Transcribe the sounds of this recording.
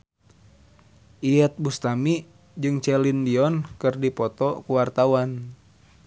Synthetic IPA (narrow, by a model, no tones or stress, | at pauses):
ʔiɛt̪̚bust̪ami | d͡ʒɨŋt͡ʃɛlindiɔnkɨrdipɔt̪ɔkuwart̪awan